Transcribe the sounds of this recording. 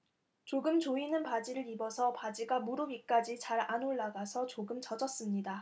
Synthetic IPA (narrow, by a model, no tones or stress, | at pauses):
t͡ɕoɡɯmt͡ɕoinɯnpad͡ʑiɾɯɾibʌsʰʌpad͡ʑiɡamuɾubik͈ad͡ʑit͡ɕaɾanoɭːaɡasʰʌt͡ɕoɡɯmt͡ɕʌd͡ʑʌs͈ɯmɲida